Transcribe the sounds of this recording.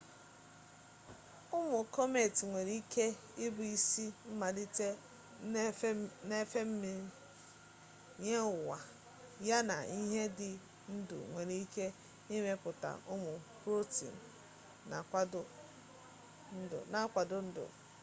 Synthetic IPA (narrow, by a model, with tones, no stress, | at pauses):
ʊ˦mʊ˨kɔ˦me˨ti˨ŋʷe˨ɾi˦ke˦ | ɪ˦bʊ˨i˦si˦m̩˦ma˨dɪ˦te˦ | ne˦fe˦m̩˦mi˨ɾ | ɲe˦ʊ˨wa˨ | ja˦na̰˨i˦ɦe˦dɪ˨ | n̩˦dʊ̰˨ŋʷe˨ɾi˦i˦ke˦ | i˦me˦pʊ˨ta̰˨ʔʊ˦mʊ˨pɾo˦tḭ˨n̩ː˨ | a̰˨kʷa˦dʊ˦ | n̩˦dʊ̰˨na˨˦kʷa˨dʊ˦n̩˦dʊ̰˨